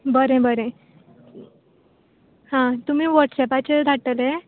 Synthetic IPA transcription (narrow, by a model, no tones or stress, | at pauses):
bəɾẽbəɾẽ | ɦãt̪um̤iːʋəɾʈsɛpat͡ɕed̪ʱaʈəle